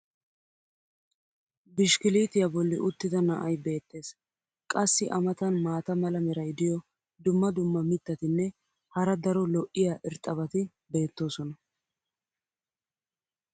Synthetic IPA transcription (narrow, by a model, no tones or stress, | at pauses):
bɪʃkɪliːt̪ɪjɐbɔlːɪ̰ʔʊt̪ːɪd̪ɐnɐʔɐjbe̞ːt̪ːe̞ːs | kʼɐsːɪʔɐmɐt̪ɐnmaːt̪ɐmɐlɐmɛɾɐjd̪ɪjɔ | d̪ʊmːɐd̪ʊmːɐmɪt̪ːɐt̪ɪnːɛ | hɐɾɐd̪ɐɾɔlɔʔːɪjaʔɪɾt̪ʼːɐβɐt̪ɪ | be̞ːt̪ːo̞ːsɔnɐ